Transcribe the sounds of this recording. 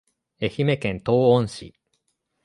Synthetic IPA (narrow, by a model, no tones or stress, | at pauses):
e̞çime̞kẽ̞nt̪o̞ːõɰ̃ɕḭ